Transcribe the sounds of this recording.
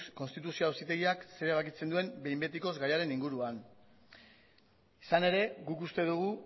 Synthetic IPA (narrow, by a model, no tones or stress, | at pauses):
ko̞nst̪it̪̬usioawsit̪e̞ɣiakse̞ɾeβ̞akit͡se̞nd̪ue̞mbe̞jmbe̞t̪iko̞zɣajaɾe̞niŋɡuɾuan | isane̞ɾe̞ɣukust̪e̞ðuɣ̞u